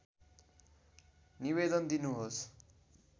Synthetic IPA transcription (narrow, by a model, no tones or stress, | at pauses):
niβed̪ʌnd̪inuɦos